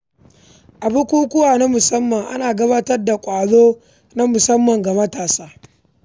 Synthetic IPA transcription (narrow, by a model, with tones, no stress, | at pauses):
ʔa˨bʊ˦kʷuː˦kʷʊ˦waː˨na˦mʊ˨sɐ˦mːɐ˨ŋʔa̰˦naː˨ɡɐ˦baː˦tɐ˦rda˨kʷʼaː˨ɽoː˦ | na˦mʊ˨sɐ˦mːɐ˨ŋɡa˨mɐ˦taː˨saː˦